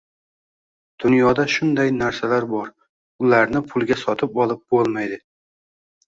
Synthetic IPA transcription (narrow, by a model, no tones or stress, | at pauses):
d̪̥ʊnjɒd̪aʃʊnd̪ajnaɾsalaɾbɒɾ | ʊlaɾnɪpʰʊlˠɡʲasɒt̪ʰɪpɒlˠɪp̚bolˠmajd̪ɪ